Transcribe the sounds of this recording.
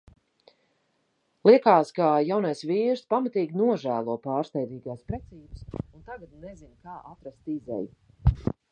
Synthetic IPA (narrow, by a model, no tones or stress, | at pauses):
lˠiɛkaːskaːjawnajsviːɾspamat̪iːɡʲnuɔʒæːlˠuɔpaːɾst̪ɛjd̪iːɡaːspɾɛt̪siːbɨsunt̪aɡat̪nezinkaːʔat̪ɾast̪izɛ̰ju